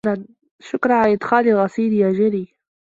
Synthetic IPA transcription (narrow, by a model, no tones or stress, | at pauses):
an | ʃʊkɾˤɑʕalaʔɪd̪xaːlilɣɑsˤiːɾjaːʒɪɾiː